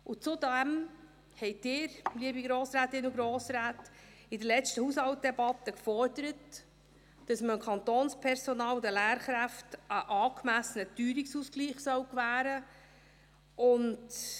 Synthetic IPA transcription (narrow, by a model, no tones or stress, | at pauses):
ʊt͡sudæm | hɛɪtɪɾliəbiɡɾoːsɾæːtɪnuɡɾoːsɾæːt | ɪdəlɛt͡stəhuːshɑwt̚d̥ɛbɑtːəkfɔɾd̥əɾət | d̥ɑsməəkʰχɑntoːnspʰɛɾsɔnɑːld̪əlæːɾχɾæftʔəʔɑːkmæsənətyːɾiksusɡliːχsœwkvæːɾə | ʊnd